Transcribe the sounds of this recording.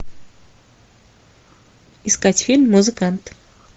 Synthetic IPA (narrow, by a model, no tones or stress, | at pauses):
ɪskatʲfʲilʲmːʊzɨkant̪